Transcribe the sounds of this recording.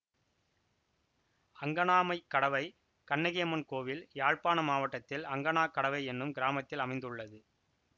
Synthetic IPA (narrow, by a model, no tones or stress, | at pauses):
ɐŋɡɐnaːmɐɪkːɐɽɐʋɐɪ | kɐnːɐɣɪjɐmɐnkoːʋɪljaːɻpaːnɐmaːʋɐʈːɐt̪ːɪlɐŋɡɐnaːkːɐɽɐʋɐɪɛnːɯmɡɪɾaːmɐt̪ːɪlɐmɐɪnd̪ɯɭːɐðɯ